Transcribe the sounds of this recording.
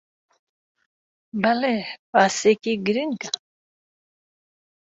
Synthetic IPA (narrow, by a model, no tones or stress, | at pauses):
balɛpasɛkiɡɾiŋka